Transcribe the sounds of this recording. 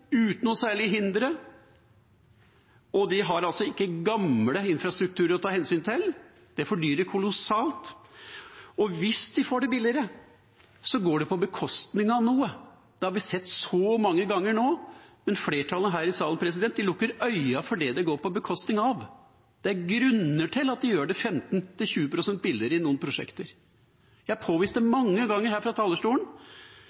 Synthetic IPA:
ʉːt̪nɔsæːɭɪɦɪnd̪ɾə | ɔd̪ɪɦɑɾɑlsɔɪkːəɡɑmləɪnfɾɑst̪ɾʉk̚t̪ʰʉːɾəɾɔt̪ʰɑːhɛnsyːnt̪ʰɪl | d̪̥ɛfɔɖyːɾəɾkʰʊlʊsɑːlt̪ | ɔʋɪsd̪ɪfoːɖɛbɪlɪɾə | sɔɡoːɖɛpʰɔbəkʰɔst̪nɪŋɑʋnuːə | d̪̥ɛhɑɾʋɪsɛt̪ːsɔmɑŋːəɡɑŋːəɾɳoːmɛnfleːʈʰɑlənəɦæːɾɪsɑːln̩pʰɾɛs̬ɪd̪ɛnt̪̚d̪ɪlʊkːəɾœʏɑfɔɖɛd̪ɛɡoːɾpʰɔbəkʰɔst̪nɪŋɑʋ | d̪̥ɛæɾɡɾʉnːəʈʰɪlɑt̪̚d̪ɪjøːɖɛfɛmt̪nt̪ʰɪlçʉːəpʰɾʊsɛnt̪̚bɪlːɪɾəɪnuːənpʰɾʊʂɛ̰kt̪əɾ | jæɪhɑpʰoːʋiːst̪ɛmɑŋːəɡɑŋːəɾhæːɾfɾɑt̪ʰɑːlːəʂʈuːlən̩

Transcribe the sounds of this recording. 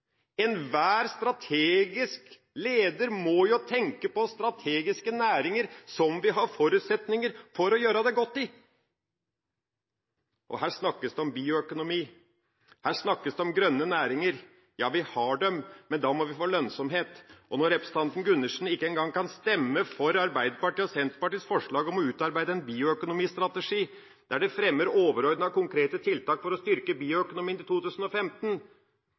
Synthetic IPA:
ɛnʋæːɾst̪ɾɑt̪ʰeːɡɪsk | leːd̪əɾmɔjʊt̪ʰɛŋkəpɔst̪ɾɑt̪ʰeːɡɪskənæːɾɪŋəɾsɔmʋɪɦɑɾfɔɾʉːt̪sɛt̪nɪŋəɾfɔɾɔjøːɾəd̪ɛɡɔt̪ːɪ | ʔɔ̰hæːʂnɑkːəsd̪ɛɔmbiːʊœkʊnʊmiː | hæːʂnɑkːəsd̪ɛɔmɡɾœnːənæːɾɪŋəɾ | jɑːʋɪhɑɖɛmːɛnd̪ɑːmɔʋɪfoːlœnsɔmɦeːt̪ʔɔnɔɾɛpɾəsə̥t̪ɑnt̪n̩ɡʉnːəʂn̩ɪkːəɛŋɡɑŋːkʰɑnst̪ɛmːəfɔɾɑɾbæɪd̪əpɑʈiːɔsɛnt̪pɑʈiːsfɔʂɭɑːɡɔmɔʉːt̪ɑɾbæɪd̪əɛnbiːʊœkʊnʊmiːst̪ɾɑt̪əʂiː | d̪̥æɖɛfɾɛmːəɾoːʋəɾɔʏd̪nɑkʰʊŋkʰɾeːt̪ət̪ʰɪlt̪ɑːkfɔɾɔst̪ʏɾkəbiːʊœkʊnʊmiːnɪt̪uːt̪ʰʉːsən̩ɔfɛmt̪n̩

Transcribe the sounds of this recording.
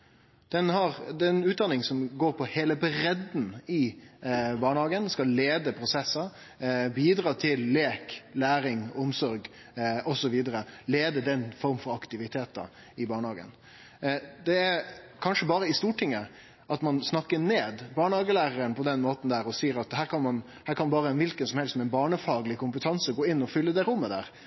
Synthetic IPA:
d̪̥ɛnhɑɾd̪ɛnʉːt̪̚d̪ɑnɪŋsɔmɡoːɾpʰɔheːləbɾɛd̪n̩ɪ | bɑːɳhɑːɡənskɑllːeːd̪əpʰɾʊsɛsːɑ | biːd̪ɾɑːt̪ʰɪlːeːklæːɾɪŋɔmsɔɾɡ | ɔsɔʋiːd̪əɾəleːd̪əd̪ɛnːfɔɾmfɔɾɑkt̪ɪʋɪt̪ʰeːt̪ɑ̰ | ɪbɑːɳəhɑːɡə̰n | d̪ɛæɾ | kʰɑnʂəbɑːɾəɪst̪uːʈʰɪŋːə | ʔɑt̪mɑnsnɑkːəneːd̪bɑːɳəhɑːɡəlæːɾəɾənpʰɔd̪ɛnmoːt̪n̩d̪æɾɔsiːəɾɑt̪hæːɾkʰɑnmɑn | hæːɾkʰɑnbɑːɾənʋɪlkənsɔmhɛlssɔmɛɪnbɑːɳəfɑːɡlɪkʊmpət̪ʰɑnsəɡoːɪnːɔfʏlːəd̪ɛɾʊmːəd̪æ̰ːɾ

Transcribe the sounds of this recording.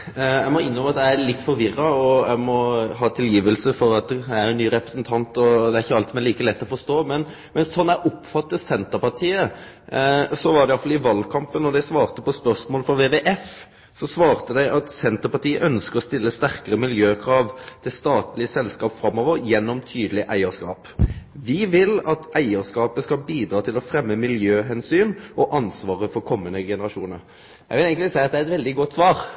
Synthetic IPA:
æɪmɔɪnːɾɔmɑt̪d̪æɪælɪt̪ːfɔɾʋɪrːɑɔæ̰ɪmɔɦɑːt̪ʰɪljiːʋəlsəfɔɾɑt̪̚d̪ææɾɛnːyːɾɛpɾə̥snt̪ʰɑnt̪ɔd̪ɛæɾɪçːəɑlt̪sɔmæliːkəlɛt̪ːɔfɔst̪oːmɛn | mɛnsɔnːæʔɔpfɑt̪ːəsɛnt̪əɾpɑʈ̪ʰiːə | sɔʋɑɾɖ̪ɛjɑfɑlɪʋɑlkʰɑmpənːɔd̪æɪsʋɑːʁt̪əpɔspœɾsmoːləfɔʋeːʋeʔɛf | sɔsʋɑːʁt̪əd̪æɪʔɑt̪sɛnt̪əɾpɑt̪iːəʔœnskəɔst̪ɪlːəst̪æɾkəɾəmɪljøːkʰɾɑːʋt̪ʰɪst̪ɑːt̪lɪəsɛlskɑːpfɾɑmːɔːʋəɾjɛnːɔmt̪ʰyːd̪əlɪʔæɪəskɑ̰ːpʋɪʋɪlɑt̪ʔæɪəɾskɑːpəskɑlbiːd̪ɾɑːt̪ʰɪlɔfɾɛmːəmɪljøːɦɛnsyːnʔɔʔɑnsʋɑːʁəfɔɾkʰɔmːənəɡɛnəɾɑʂuːnəɾ | jæɪʋɪlæɪɡəsæɪɑt̪d̪ɛæɾɛt̪ʋɛld̪ɪɡɔt̪ːsʋɑːɾ

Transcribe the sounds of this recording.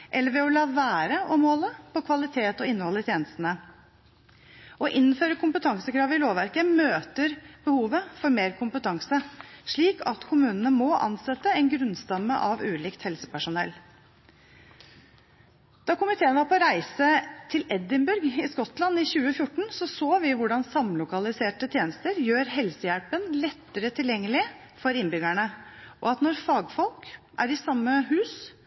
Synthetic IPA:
ʔɛlːəɾʋɛɔlɑːʋæːɾəʔɔmhɔləpʰɔkʰʋɑlɪt̪ʰeːt̪ɔɪnːəhɔlɪt̪ʰjeːnəst̪ənə | ʔɔʔɪnnføːɾəkʰʊmpət̪ʰɑŋsəkʰɾɑːʋəɪloːʋæɾkəmøːt̪əɾb̥əhuːʋəfɔɾmeːɾkʰʊmpət̪ʰɑŋsəʂɭiːkʰɑt̪kʰʊmʉːnənəmɔʔɑ̰nsɛt̪ːəɛɪnɡɾʉnst̪ɑmːə̰ʔɑʋʉːliːkt̪hɛlsə̥pæʂʊnɛ̰lː | d̪̥ɑkʊmɪt̪ʰeːənʋɑɾpʰɔɾæɪsət̪ʰɪlɛd̪ɪmbʉɾɡɪskɔt̪lɑnːɪçʉːəfjʊʈːɳ̩sɔsoːʋɪʋʊɖɑnsɑmlʊkɑlɪseːʈət̪ʰjeːnəst̪əɾjøːɾɦɛlsəjælpənlɛt̪ːəɾət̪ʰɪljɛŋːəlɪ | fɔɾɪnbʏɡæɳəʔɔ̰ɑt̪nɔɾfɑːɡfɔlkʔæ̰ɾɪsɑmːəɦʉːs

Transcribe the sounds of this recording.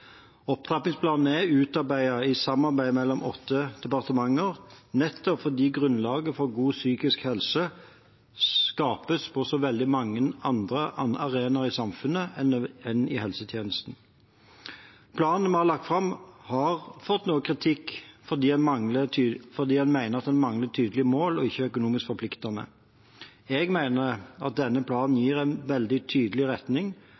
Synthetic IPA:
ɔp̚t̪ʰʁɑpnɪŋspʰlɑːnn̩ɛʉːt̪ɑɾbæɪɑɪsɑmːɑʁbæɪmɛlːɔmɔt̪ʰːəd̪̥ɛpɑʁt̪əmɑŋːəʁnɛt̪ːɔpfɔʁd̪iːɡʁʉnlɑːɡəfɔʁɡuːsyːkɪskhɛlsə | skɑːpəspʰɔsɔʋɛld̪ɪmɑŋːənɑnd̪ʁəɑɑʁeːnɑʁɪsɑmfʉnəɛnɛnɪ̰hɛlsət̪ʰjeːnəst̪n̩ | pʰlɑːnn̩mɛhɑɾlɑk̚t̪fʁɑmhɑʁfɔt̪ːnuːəkʰʁɪt̪ʰɪkːfɔʁd̪iːdɛnmɑŋləfɔd̪iːɛnmæɪnəʁɑt̪̚d̪ɛnmɑŋlət̪ʰyːd̪əlɪəmoːlɔɪçəœkʊnuːmɪskfɔpʰlɪkt̪ɑnə̰ | ɛɡmæɪnəɑ̰t̪̚d̪ɛnːəpʰlɑːnn̩jiːʁæɪnʋɛld̪ɪt̪ʰyːd̪əlɪʁɛt̪nɪŋ

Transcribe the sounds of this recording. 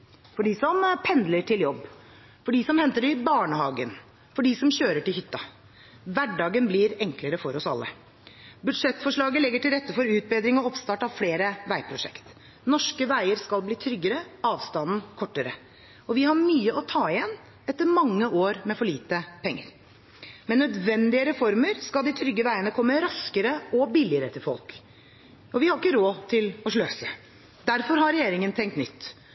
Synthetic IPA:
fɔɖɪsɔmpʰɛnd̪ləʈʰɪljɔbː | fɔɖɪːsɔmhɛnt̪əɾɪbɑːɳəhɑːɡən | fɔɖɪːsɔmɕøːɾəʈɪlhʏt̪ːɑ | ʋæɖɑːɡənblɪɾɛŋkləɾəfɔɾɔsɑ̰lːə̰ | bʉd̪ʂɛt̪ːfɔʂɭɑːɡəlɛɡːəʈɪlɾɛt̪ːəfɔɾʉːt̪̚beːd̪ɾɪŋɔɔpst̪ɑːʈɑfleːɾəʋæɪpʰɾʊʂɛ̰kt̪ | nɔʂkəʋæɪəɾskɑlbliːt̪ʰɾʏɡːəɾəʔɑːʋst̪ɑnn̩kʰɔʈːəɾə̰ | ɔʋɪhɑɾmyːəɔt̪ʰɑːɪjɛn | ɛt̪ːəɾmɑŋːəʔoːɾmɛfɔɭiːt̪əpʰɛŋːə̰ɾ | mɛnːœd̪ʋɛnd̪ɪəɾɛfɔɾməɾskɑld̪ɪt̪ʰɾʏɡːəʋæɪənəkʰɔmːəɾɑskəɾəɔbɪlɪəɾət̪ʰɪfɔ̰lk | ɔʋɪhɑɾɪkːəɾoːt̪ʰɪlɔʂɭøːsə | d̪æɾfɔɾɦɑɾɾɛjeːɾɪŋənt̪ʰɛŋkt̪nʏt̪ː

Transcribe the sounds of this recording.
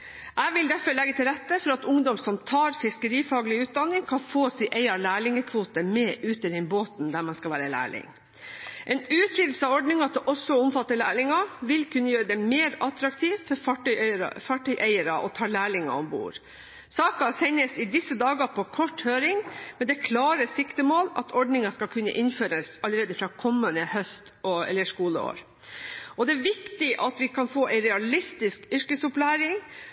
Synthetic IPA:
ʔæɪʋɪld̪æɾfəɭɛɡːət̪ʰɪlɾɛt̪ːəfɔɾɑt̪ʊŋd̪ɔmsɔmt̪ʰɑːɾfɪskəɾiːfɑːɡəlɪʉːt̪̚d̪ɑnːɪŋkʰɑnfoːsiʔæɪɑlæːɭɪŋəkʰʋuːt̪əmeːʔʉːt̪əɾɛnboːt̪nd̪æmɑnskɑʋæːɾəlæ̰ːɭɪ̰ŋ | ʔɛnʉːt̪ʰɾɪd̪l̩sɑʋɔɖɳɪŋɑt̪̚d̪ɛʔɔsɔɔmfɑt̪ːəlæːɭɪŋɑʋɪlkʉnːəjøːɾəd̪ɛmeːɾɑt̪ɾɑk̚t̪ʰiːʋfɔɾfɑʈœɾɑ̰fɑːʈœʏʔæɪəɾɑʔɔt̪ʰɑːɭæːɭɪŋɑ̰ɔmbṵːɾ | sɑːkɑsɛɲːəsɪd̪ɪsːəd̪ɑːɡɑpʰɔkʰɔʈhøːɾɪŋmɛnd̪ɛkʰlɑːɾəsɪkt̪əmoːlɑ̰t̪ʰɔɖnɪŋɑskɑlkʰʉnːə̰ʔɪnføːɾəsɑləɾeːd̪əfɾɑːkʰɔmːənəhœst̪ɔɛ̰lːəʂkuːlə̰o̰ːɾ | ʔɔd̪ɛæʋɪkt̪ɪʔɑt̪ʋɪkʰɑnfoːʔæɪɾɛɑlɪst̪ɪskʏɾkəsʊplæːɾɪŋ

